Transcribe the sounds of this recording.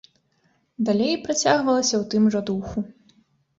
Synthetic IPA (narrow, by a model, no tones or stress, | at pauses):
d̪alʲejpɾat͡sʲaɣvɐlˠɐsʲɐwt̪ɨmʐɔd̪uxu